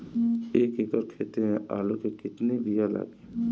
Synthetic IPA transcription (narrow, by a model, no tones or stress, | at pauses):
eːkikəɾkʰeːt̪emẽʔa̰ːlokekɪt̪nibijala̰ːɡeː